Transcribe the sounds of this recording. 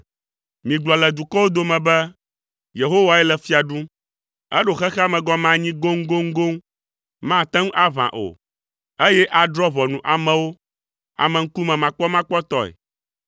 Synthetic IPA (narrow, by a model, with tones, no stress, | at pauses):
mĩ˨ɡ͡blɔ˨lɛ˨d̪u˨kɔ˦wo˦d̪o˦mɛ̃˨bɛ˦ | je˨ɦo˦wa˨ɛ˦lɛ˨fi˦a˨ɖũ˦ | ɛ˦ɖo˨xɛ˦xɛ˦a˦mɛ̃˨ɡɔ˦mã˦ɲĩ˦ɡo˦ŋ˦ɡo˦ŋ̩˦ɡo˦ŋ | mã˦t̪ɛ̃˦ŋu˦ʔa˦vã̰˨ʔo̰˨ | e˦jɛ˦ʔa˨dɾɔ˦vɔ˨nũ˨ʔa˨mɛ̃˨wo˦ | a̰˨mɛ̃˨ŋ̩˦ku˦mɛ̃˨mã˨k͡pɔ˦mã˦k͡pɔ˦t̪ɔ˦ɛ̰˨